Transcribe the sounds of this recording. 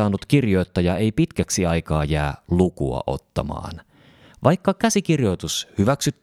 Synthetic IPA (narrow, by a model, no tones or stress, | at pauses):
ɑːnːut̪kirjo̞jt̪ːɑjɑe̞jpit̪kæksiɑjkɑːjæːlukṵɑ̰ʔo̞̰t̪ːɑ̰mɑ̰ːn | ʋʔɑjkːɑkæsik̟irjo̞jt̪ushyʋæksyt̪ː